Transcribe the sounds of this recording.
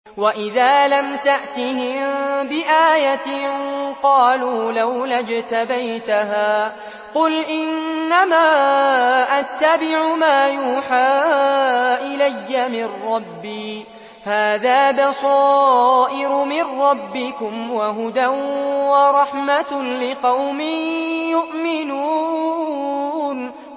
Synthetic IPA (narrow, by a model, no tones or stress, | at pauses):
waʔɪðaːlamt̪aʔt̪ɪhɪmbɪʔaːjat̪ | qɑːluːlawlad͡ʒt̪abajt̪aɦaː | qʊlʔɪnːamaː | ʔat̪ːabɪʕʊmaːjuːħaː | ʔɪlajːamɪnːɑbːiː | haːðaːbɑsɑːʔɪɾʊmɪrːɑbːɪkʊmwaɦʊd̪anwɑɾˤɑħmalɪqɑwmɪjʊʔmɪnuː | n